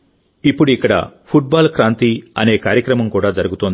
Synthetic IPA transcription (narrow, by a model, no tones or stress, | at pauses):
ipːuɽuikːɐɽɐ̰pʰuʈ̚baːlkɾaːnt̪iɐ̰ne̞ːkaːɾjɐkɾɐmɐmkuːɽaːd͡ʒɐɾuɡut̪oːnd̪i